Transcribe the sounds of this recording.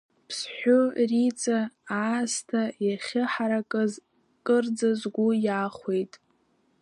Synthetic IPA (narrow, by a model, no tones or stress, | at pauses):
pʰsħʷᶣorit͡sʼaː | stʰajaχʲɪħaɾakʼɨz | kʼɨrd͡zazɡʷujaːχʷe̞jtʼ